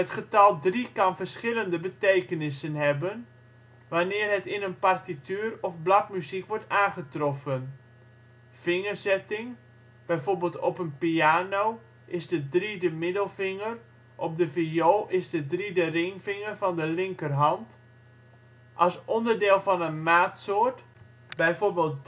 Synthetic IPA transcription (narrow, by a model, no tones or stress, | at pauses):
ɦətχətɑlˠdrikɑnvərsχɪləndəbəteːkənɪsənɦɛbən | ʋanɪːrɦətɪnənpartityːrɔfblakmyzikʋɔɹtaːnχətrɔfən | fɪŋərzɛtɪŋ | b̥ɛjvorbɪːlˠtɔpənpiaːnow | ʔɪzdədridəmɪdəlˠfɪŋər | ʔɔp̚dəfioːʔɪzdədridərɪŋfɪŋərvɔndəlɪŋkərɦɑnt | ʔɑlˠsɔndərdɪːlˠfɔnənmaːtsoːrt | bɛjforbeːlˠt̚